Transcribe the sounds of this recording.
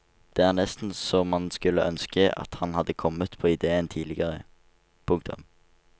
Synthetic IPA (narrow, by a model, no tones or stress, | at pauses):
d̪̥ɛːæːʁnɛst̪n̩sɔmɑnskʉlːəʔœnskəʔɑ̰t̪hɑnhɑd̪ːəkʰɔmət̪pʰoːɪd̪eːənt̪ʰiːlɪɡəʁə | pʰʊŋkt̪ʊ̰m